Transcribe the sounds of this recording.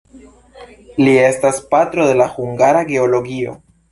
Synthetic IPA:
lie̞staspat̪ɾo̞ðe̞laxuŋɡaɾaɡe̞olo̞ɡio̞̰

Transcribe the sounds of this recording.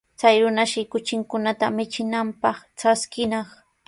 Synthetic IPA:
t͡sajɾʊnaʃɪkʊt͡ʃɪŋkʊnat̪amɪt͡ʃɪnampɑχʈ͡ʂaskɪnɑχ

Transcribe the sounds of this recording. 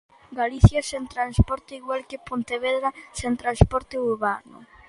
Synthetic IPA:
ɡaliθjasent̪ɾanspɔɾt̪eiɣwalkepont̪eβeðɾasent̪ɾanspɔɾt̪euɾβanʊ̰

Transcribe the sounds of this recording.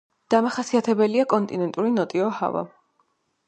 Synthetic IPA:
d̪̥amaχasiat̪ʰɛbɛliakʼɔnt̪ʼinɛnt̪ʼuɾinɔt̪ʼiɔha̰va̰

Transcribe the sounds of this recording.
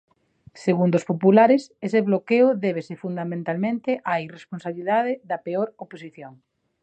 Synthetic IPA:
seɣund̪ospopulaɾɪseseβlokeʊðeβ̞esefund̪amẽnt̪almẽnt̪eʔairesponsaβliðaðeðɐpeoɾoposiθjoŋ

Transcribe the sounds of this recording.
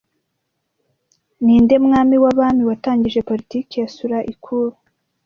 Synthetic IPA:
niːnde̞mŋaːmiwaβaːmiwataːɲɟiʒe̞po̞ɾitiːkejasuɾaʔikʰuɾu

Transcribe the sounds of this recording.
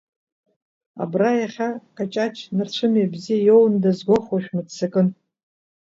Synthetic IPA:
a̰brajaχʲakʰʼat͡ʃʼat͡ʃʰnart͡ʃʷʰɨmiabzijajowndazɡʷoχwaʃᶣmɨdt͡sʰɨkʼɨn

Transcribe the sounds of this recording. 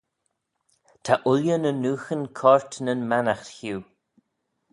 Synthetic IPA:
t̪ʰaʔʊljənənuːxənkʰɔɹt̪nənmanaxt̪huː

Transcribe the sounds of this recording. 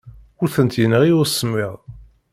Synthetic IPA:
ʊɾθənt̪jənəʁiʊɾsːəmːiʁ

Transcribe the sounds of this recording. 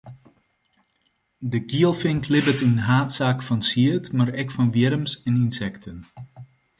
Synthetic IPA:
dəɡiəlˠfɪŋkʰlɪbətinɦaːtsaːkfɑnsiətmaɾɛkfɑnʋjɪɾəmsɛninsɛktʰən

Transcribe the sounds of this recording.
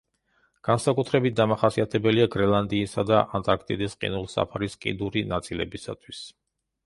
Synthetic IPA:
ɡ̥ansakʼut̪ʰɾɛbit̪̚d̪amaχasiat̪ʰɛbɛliaɡɾɛlˠand̪iːsad̪aʔant̪ʼaɾkʰt̪ʼid̪ɛsqʼḭnulˠsa̰pʰaɾiskʼḭd̪uɾinat̪sʼilɛ̰bisa̰t̪ʰwis

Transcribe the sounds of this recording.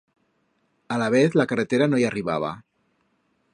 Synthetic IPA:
alaβ̞eθlakaret̪eɾanojariβa̰β̞a̰

